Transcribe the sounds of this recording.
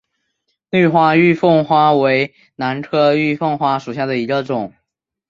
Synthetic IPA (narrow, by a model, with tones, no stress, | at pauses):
ly˥˧xwa˥y˥˧fɤ˥˩ŋxwa˥we˧˥ɪ | na˧˥ntʰɤ˥y˥˧fɤ˥˧ŋxwa˥ʂu˨˩ɕja˥˩d̪ə˩i˧˥ɡə˧ʈ͡ʂʊ˨˩˦ŋ